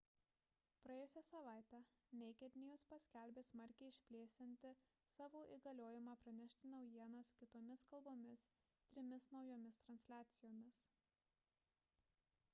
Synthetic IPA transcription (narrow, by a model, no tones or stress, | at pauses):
pɾɐjeːjʊsʲæsɐʋɑˑɪt̪ʲæ | nʲɛɪkʲɛt̪ʲnʲɪjʊspɐsʲkʲælʲbʲeːsmɐɾʲkʲɛɪɪʃʲpʲlʲeːsʲɪnʲt̪ʲɪ | sɑːʋoːʔḭːɡɐlʲoːjɪmɑːpɾɐnʲɛʃʲt̪ʲɪnɒʊjiɛnɐskʲɪt̪oːmʲɪskɐlˠboːmʲɪs | t̪ʲɾʲɪmʲɪsnɒʊjoːmʲɪst̪ɾɐnʲsʲlʲæːt̪sʲɪjoːmʲɪs